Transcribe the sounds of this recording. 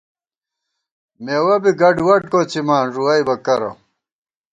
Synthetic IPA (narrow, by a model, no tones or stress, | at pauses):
meːwɐbiɡɐɖwɐʈ̚koːt͡simaːnʐuɐjbɐkɐɾɐ̰